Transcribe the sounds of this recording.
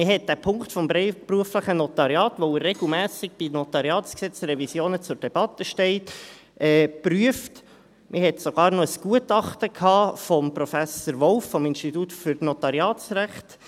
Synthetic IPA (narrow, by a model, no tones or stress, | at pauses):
mɪɦɛt̚d̥æpʰʊŋktfɔmbɾɛɪpruəfləχənɔtɑɾjɑːtʋoɪrːɛɡ̥l̩mæːsɪɡ̚b̥inɔt̪ɑɾiɑːtsksɛt͡sɾɛvisjoːnət͡sʊɾd̥ɛb̥ɑtːəʃtɛɪt | ʔɛːpryəft | mʔɪhɛtsɔɡ̥ɑːɾnɔəsɡ̥uətɑχtəkʰhɑːfɔmprɔfæsəɾʋɔlffɔmɪnʃtitutfʏɾnɔtɑɾiɑːtsɾæχt